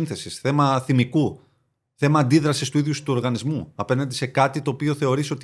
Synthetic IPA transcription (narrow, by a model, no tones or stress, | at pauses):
nθe̞sisθe̞mɐθimiku | θe̞mɐːnd̪iðɾɐsist̪uiðjust̪uoɾɣɐnizmuɐpe̞nɐnd̪ese̞kɐt̪it̪o̞ːpio̞θe̞o̞ɾiso̞t̪